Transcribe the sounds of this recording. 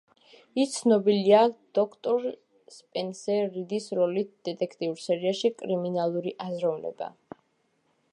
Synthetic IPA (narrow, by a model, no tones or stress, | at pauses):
ist̪sʰnɔbiliad̪̥ɔkʰt̪ʼɔɾ | spʼɛnsɛɾid̪isɾɔlit̪̚ʰd̪̥ɛt̪ʼɛkʰt̪ʼiuɾsɛɾiaʃikʼɾiminalˠuɾiʔazɾɔvnɛ̰ba̰